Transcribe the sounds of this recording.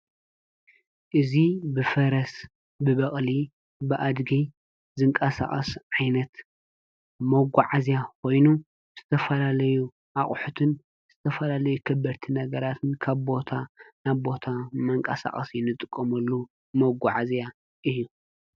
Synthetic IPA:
ʔɨzibɨfɐɾɐs | bɨβɐχʼli | bɨʔad̪ɡi | zɨŋkʼɐsa̰χʼɐ̰sʕajnɐt̪ | mɐɡʷaʕazjakʰo̞jnu | z̥ɨt̪ʰɐfɐlalɐju | ʔaχʼħut̪ʰɨn | z̥ɨt̪ʰɐfɐlalɐjukʰɨbːɐɾt̪ʰinɐɡɐɾat̪ʰɨnkʰaβbo̞t̪ʰanaβbo̞t̪ʰamɐŋkʼɐsa̰χʼɐsjɪnɨt̪ʼːɨkʼːɐmɐlːu | mɐɡʷaʕazja | ʔɨjːu

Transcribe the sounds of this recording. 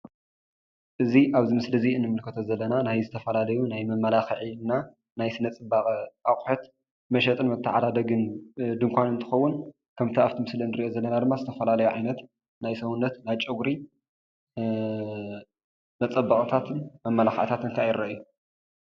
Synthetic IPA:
ʔɨziʔaβzimɨslɐziɨnːɨmɨlkʰɐt̪ʰozɐlːɐnanajzɨt̪ʰɐfɐlalɐjunajmɐmːɐlaxʕina | najsɨnɐt͡sʼɨbaχʼɐʔaχʼħot̪ | mɐʃɐt̪ʼɨnmɐt̪ʰːɨʕad̪ad̪ɐɡɨnd̪ɨŋkʷʰanɨnt̪ʰɨ̥xɐwːʊn | kʰɐmt̪ʰiaft̪ʰimɨslɐnɨɾiʔo̞zɐlːɐnad̪ɨmːazɨt̪ʰɐfɐlalɐjuʕajnɐt̪ | najsɐwunːɐt̪najt͡ʃʼɨɡɾi | mɐt͡sʼɐbːɐkʼɐt̪ʰat̪ʰɨnmɐmːɐlaxʕt̪ʰat̪ɨŋkʰajɪɾɐʔju

